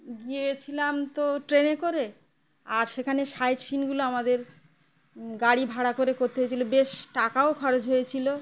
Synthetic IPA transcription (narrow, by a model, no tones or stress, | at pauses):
ɡiet͡ɕʰilamt̪oʈɾenekoɾe | aɾʃekʰaneʃajɾʃinɡuloamad̪eɾ | ɡaɽibʱaɽakoɾekoɾt̪eɦojet͡ɕʰilobeʃʈakaokʰɔɾed͡ʑɦojet͡ɕʰilo